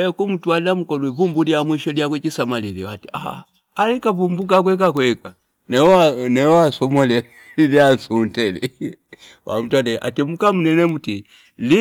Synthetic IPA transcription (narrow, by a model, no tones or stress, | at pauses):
ɛkum̩twalam̩kɔluɛvumbuliamwiʃɔliak̬wɛt͡ʃisamaliliwatia̰ha̰ | alikavumbuk̬ak̬wɛk̬akwɛka | nɛanɛasɔmɔlɛ | liasuntɛlɛ̰ | wʔa̰m̩twadɛʔa̰tɛmukam̩nɛnɛmuti | li